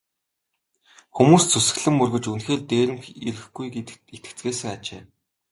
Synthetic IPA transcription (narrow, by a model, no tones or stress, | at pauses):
xumuːst͡sʰusɘ̆ɣɮɘ̆mːɵrɣɵ̆t͡ɕunxeːɮt̪eːɾɘ̆mxḭɾɘ̆xɡuj̪it̪ɘ̆kt͡sɡeːsɘ̆ŋat͡ɕḛː